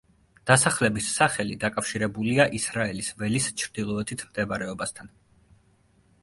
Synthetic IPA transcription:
d̪̥asaχlɛbisːaχɛlid̪akʼafʃiɾɛbuliaʔisɾaɛlisvɛlist͡ʃʰɾd̪̥ilˠɔɛt̪ʰit̪ʰmd̪ɛbaɾɛɔbast̪ʰan

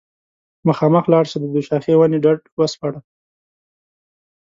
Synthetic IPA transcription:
məxɑːməxlɑɽsed̪əd̪uʃɑxewaniɖaɖwəspaɽa

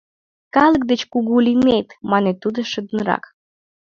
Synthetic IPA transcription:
kɑlək̚d̪et͡ɕkuɣulimet̪mɑnet̪ud̪əʃəd̪ənɾɑ̰k

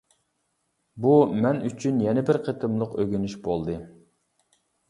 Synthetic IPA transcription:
bumɛnyt͡ʃʰynjɛnɪbɪɾqʰət̪ʰɨmlˠəqøɡʲynyʃbolˠd̪ɨ

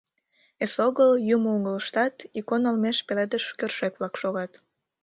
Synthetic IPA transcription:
esoɣəljuməuɣələʃt̪ɑt̪ikonolmeʃpeled̪əʃkørʃekβlɑkʃoɣɑt̪

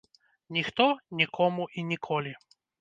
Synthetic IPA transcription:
nʲixt̪ɔnʲikʰɔmuʔinʲikʰɔlʲi

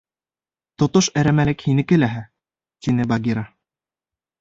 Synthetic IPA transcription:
t̪ŏt̪oʃæɾæmælɘkhinɘ̆kɘ̆læɦæ | t̪inɘbaɡʲiɾa

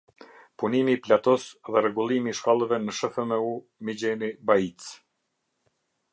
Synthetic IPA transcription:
punimiːplat̪ɔsðɛɾɛɡulˠimiːʃkalˠəvɛnəʃəθəmɛu | mid͡ʑɛnibait͡s

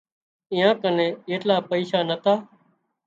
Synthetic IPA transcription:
ɪ̃ːãːkənẽːeːʈlaːpəiːʃaːnət̪ʰaː

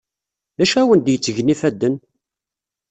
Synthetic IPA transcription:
ðæʃæwənd̪jət͡sːəʝnifæd̪ːən

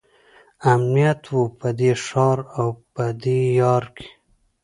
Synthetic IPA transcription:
amnijat̪wupəd̪eʂɑɾawpəd̪ejɑɾkʰe̥

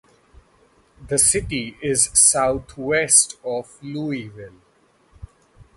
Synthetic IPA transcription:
d̪əsɪʈiɪzsaʊt̪ʰwɛsʈɔfluːiʋɪl

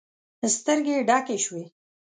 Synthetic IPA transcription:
əst̪əɾɡeɖɑkeʃwe

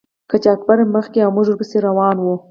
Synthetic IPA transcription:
kat͡ʃak̚baɾməxkeawmʊʒuɾpəseɾawɑnwu

